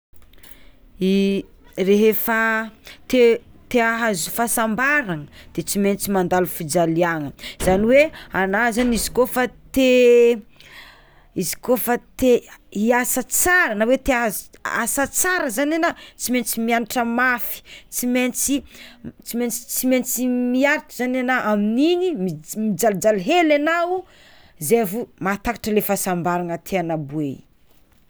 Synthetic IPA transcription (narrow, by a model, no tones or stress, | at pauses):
i | reɦefat̪et̪eaɦazufasambaɾaŋəd̪̥et͡siment͡simand̪alufid͡ʒaliaŋəz̥aniweanaɦzanizi̥kofat̪e | izi̥kofat̪eiasat͡saɾənawet̪eaza̰sat͡saɾəzanenat͡siment͡simianiʈ͡ʂəmafi̥t͡siment͡sit͡siment͡si̥t͡siment͡simiaɾit̪uzananaʔamininimimid͡zald͡ʒalɦelanau | zevumat̪akḁʈ͡ʂəlefasambaɾanət̪ʰeanabue